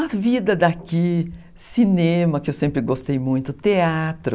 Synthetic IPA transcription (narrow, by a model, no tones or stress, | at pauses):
ɐvid̪ɐd̪aki | sinẽmɐkɪewsẽmpɾɪɡost̪ejmũj̃t̪ʊt̪eat̪ɾʊ